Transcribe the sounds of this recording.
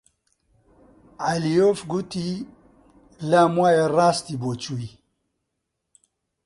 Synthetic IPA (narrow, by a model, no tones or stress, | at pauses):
alijofɡut̪i | lamwajeɾaːst̪ibot͡ʃui